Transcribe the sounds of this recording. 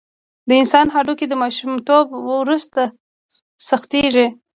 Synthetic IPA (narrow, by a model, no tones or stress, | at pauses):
d̪əɪnsɑnɦaɖoked̪əmɑʃumt̪obwɾust̪a | saxt̪eʒi